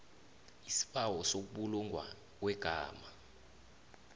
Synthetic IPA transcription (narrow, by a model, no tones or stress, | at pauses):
isi̥ɓawɔsok̬uɓuluŋʱwa̰ | k̬wɛɡ̥ʱaːma